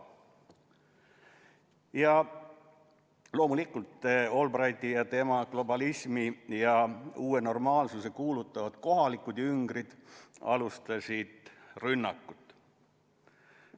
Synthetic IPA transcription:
jɑ | lo̞ːmulikːˑult̪ːo̞lbrɑjd̪ijɑt̪e̞mɑɡ̥lo̞bɑlisʲmijɑuːeno̞rmɑːlsuse̞kuːlut̪ˑːɑvɑd̪̥ko̞ɦɑlikːˑud̪̥jyŋɡrid̪̥ɑ̰lust̪ɑsʲid̪̥rynːɑkːut̪ːˑ

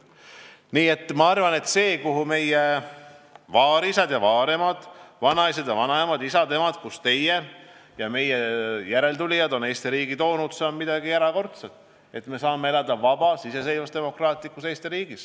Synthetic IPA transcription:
niːe̞t̪ːˑmɑɑrvɑne̞t̪ːse̞ːkuɦume̞je | vɑːɾisɑd̪jɑvɑːɾe̞mɑd̪̥vɑnɑjsed̪̥jɑvɑnɑemɑd̪isɑt̪e̞mɑd̪̥kust̪e̞je | jɑme̞jejæɾe̞ld̪ulʲijɑd̪o̞ne̞ːst̪iɾiːɡ̥it̪o̞ːnud̪̥se̞o̞nmid̪̥ɑɡ̥iæɾɑko̞rt̪set̪ˑ | e̞t̪me̞sɑːmːeelɑd̪̥ɑvɑb̥ɑsise̞s̬e̞jlvɑst̪e̞mo̞krɑːt̪ˑlikːˑuse̞ːst̪iɾiːɡ̥is

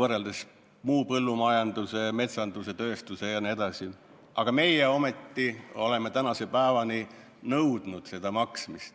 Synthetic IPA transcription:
vɤrːeld̪es | muːpɤlːumɑjɑnd̪̥use̞me̞t̪sɑnd̪use̞t̪ø̞ːst̪use̞jɑnie̞d̪̥ɑsi | ʔɑ̰ɡ̥ɑme̞jeo̞met̪ːio̞le̞met̪ænɑse̞pæevɑni | nɤwd̪̥nud̪̥se̞d̪̥ɑmɑksmist̪

